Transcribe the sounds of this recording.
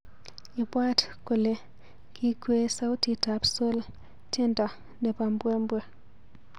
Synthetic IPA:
ɪ˨bwa˦tko˨le˨ | kʰi˦kwe˦sa˦ʊ˦ti˨ta˨pso˦l | te˦ndɔ˨ | de˨pa˨mbwe˦mbwe˦

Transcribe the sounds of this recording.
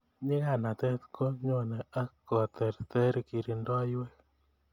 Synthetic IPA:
ɲɪ˦ka˦˨na˨t̪ɛ˦t̪ko˦ɲo˦˨nɛ˨a˦kɔ˨t̪ɛ˨ɾt̪ɛ˦ɾki˨ɾi˨ndɔ˦jwɛ˦k

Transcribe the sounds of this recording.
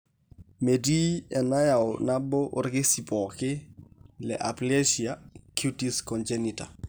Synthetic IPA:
me˨di˦ɛ˨na˦ja˨wʊna˦bɔ˦ʔʊ˦rɡɪ˦sipɔkɪ˦lɛ̰ʔa˨ple˦ʃiaku˦tiskɔnd͡ʒenita̰˨

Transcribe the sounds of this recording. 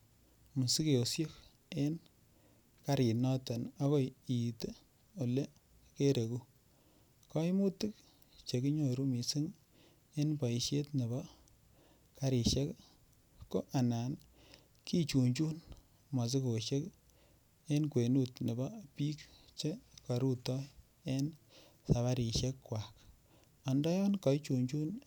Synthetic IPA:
mu˨si˦ke˨o˨sjɔ˦k | e˦n | ka˦ɾi˨nɔ˦tɔ˨na˦kɔ˦ji˨te˦ | o˨le˦ | ke˦ɾe˨ku˦ | kɔ˦mu˦ti˦k̚ | t͡ʃe˨ki˦ɲo˨ɾu˦mi˨si˦ŋ | e˦npa˨i˨ʃje˦tne˨ba˦ | ka˨ɾi˨ʃe˦kː | o˦ʔa˨naː˨n | kʰi˦t͡ʃu˨ɲt͡ʃu˦n | ma˨s̬i˦ko˨ʃe˦k | e˦nkwe˨nu˦tne˨bɔ˦pi˦kt͡ʃe˦ka˨ɾu˦tɔ˦j | e˦n | sa˨βa˦ɾi˨ʃje˦kːwa˨k | ɔ˨ndɔ˦jɔ˦nkɔ˨i˦t͡ʃu˨ɲt͡ʃu˦n

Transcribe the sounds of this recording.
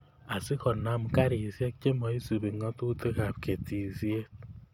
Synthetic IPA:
a˨si˦kɔ˨na˦mka˦ɾi˨sje˦k̚t͡ʃe˦mɔ˨i˦su˨bi˨ŋɔ˦tu˦te˦ka˨p̚ke˨ti˨sje˦t̚

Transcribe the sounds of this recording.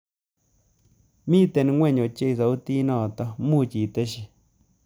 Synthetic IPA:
mĩ˦t̪e˧nĩ˧˦ŋʷẽ˦˨ɲõ˨t͡ʃe˦i˧sa˨u˦t̪i˦nõ˦˧˨t̪o˧mũ˦˧t͡ʃi˨t̪e˦ʃi˧

